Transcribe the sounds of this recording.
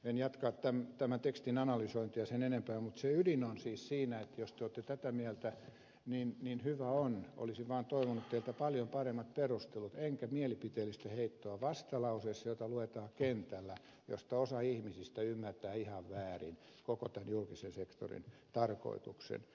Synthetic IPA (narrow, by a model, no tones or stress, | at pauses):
enjɑt̪kɑːtt̪æmt̪æmænt̪ekst̪inɑnɑlysoint̪ijɑsenenempæːmut̪seydinonsiːssiːnæet̪ːjost̪eoːt̪ːet̪æt̪æmiælt̪æ | ninninhyʋæonʔo̰lisiʋʋɑːnt̪oiʋonut̪t̪eilt̪æpɑljompɑremːɑt̪̚perust̪elut̪eŋkæmiɛlipit̪eːlːist̪æheit̪ːoɑʋɑst̪ɑlɑusesːɑjot̪ɑluet̪ɑːkent̪ælːæ | jo̰st̪ɑosɑihmisist̪æymːært̪æːihɑʋʋæːrḭn | kokot̪ænjulkisensekt̪o̰rḭnt̪ɑrko̰it̪uksḛn